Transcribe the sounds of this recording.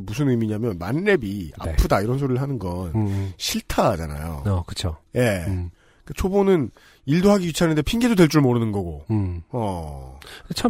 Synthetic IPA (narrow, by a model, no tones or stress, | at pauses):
mus̬ʰɯnɯmiɲamjʌnmanːe̞bia̰pʰɯdaiɾʌns̬ʰoɾiɭɦanɯnɡʌnɕʰiɭtʰad͡ʑa̰na̰jo̰kɯt͡ɕʰoje̞ | k͈at͡ɕʰobonɯn | iɭdoɦaɡiɥit͡ɕʰɦanɯndepʰiŋɡedodwe̞ɭt͡ɕ͈uɭmoɾɯnɯnɡʌɡoʌ | t͡ɕʰa